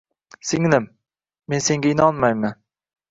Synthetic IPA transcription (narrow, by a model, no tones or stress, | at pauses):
sɪŋlɪm | me̞nse̞ŋɡʲaɪnɒnmajman